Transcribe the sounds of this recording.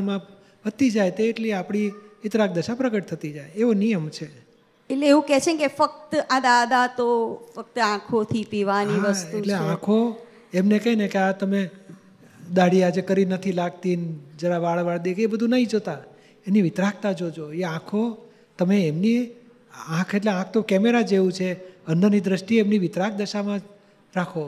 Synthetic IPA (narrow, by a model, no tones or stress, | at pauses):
mã | bət̪ːid͡ʒajt̪eːʈliapɽ̃iʋɪt̪ɾak̚d̪əʃapɾəɡəʈ̚t̪ʰət̪id͡ʒajeʋonijəmt͡ʃʰe | eʈleeũkɛt͡ʃʰẽkefək̚t̪ãd̪ad̪at̪ofək̚t̪əãkʰot̪ʰipiʋaniaʋəst̪uʈleãkʰo | emnekəɦinekeat̪əme | d̪aɽiad͡ʒekəɾinət̪ʰilaɡt̪ind͡ʒəɾaʋaɭʋaɭd̪ekebəd̪ʱũnaĩd͡ʒot̪a | eniʋɪt̪ɾak̚ʰt̪ad͡ʒod͡ʒoeãkʰo | t̪əmeemni | ãkʰeʈleãk̚ʰt̪okɛmeɾad͡ʒeʋũt͡ʃʰeənd̪ənid̪ɾəʃʈiemniʋɪt̪ɾak̚d̪əʃamã | ɾakʰo